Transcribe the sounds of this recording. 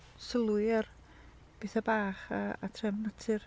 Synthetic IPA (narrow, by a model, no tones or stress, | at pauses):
səlˠwɨar | b̥eːθabaːχaːtʰrɛmnətʰɨr